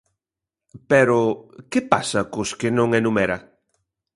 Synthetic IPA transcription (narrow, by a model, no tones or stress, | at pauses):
pɛɾʊkɪpasɐkʊskɪnõŋɛnumɛɾɐ